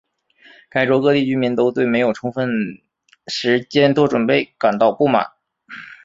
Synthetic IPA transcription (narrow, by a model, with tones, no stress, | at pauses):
ka˥˩ɪʈ͡ʂwɔ˧˥kɤ˥t̪i˥˩t͡ɕy˥nmi˧˥nt̪o˥ʊt̪we˥˩ɪme˧˥jo˨˩ʊʈ͡ʂʰʊ˥ŋfə˥˩n | ʂɻ̩˧˥t͡ɕjɛ˥nt̪wɔ˥ʈ͡ʂwə˨˩npe˥˩ɪka˨˩nt̪ɑ˥˧ʊpu˥˩ma̰˨˩˦n